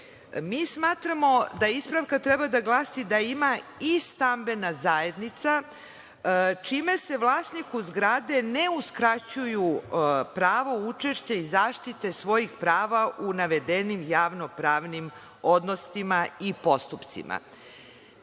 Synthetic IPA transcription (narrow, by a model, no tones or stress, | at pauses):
miːsmaːt̪ɾamo̞d̪aispɾaʋkat̪ɾɛbad̪aɡlˠaːsid̪aimaist̪ambe̞nazaːe̞d̪nit̪sa | t͡ʃime̞se̞ʋlˠaːsnikuzɡɾad̪e̞ne̞uskɾat͡ɕujupɾaːʋout͡ʂe̞ʃt͡ɕeizaːʃt̪it̪e̞sʋo̞jixpɾaːʋaʔunaʋe̞d̪e̞nimjaːʋno̞pɾaːʋnim | o̞d̪no̞simaipo̞st̪upt̪sḭmʔa̰